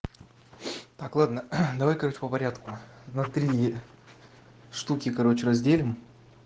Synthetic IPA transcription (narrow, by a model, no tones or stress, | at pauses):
t̪aklˠad̪nəd̪ɐvajkɐɾot͡ɕɪ̥pəpɐɾʲat̪kʊnɐt̪ɾʲi | ʂt̪ukʲɪkɐɾo̞t͡ɕɪɾɐzʲdʲelʲɪm